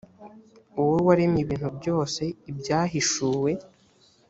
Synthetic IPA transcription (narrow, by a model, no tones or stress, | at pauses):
uwuwaɾimiβiːn̥hubɟo̞ːse̞ibɟaːɦiʃuːwe̞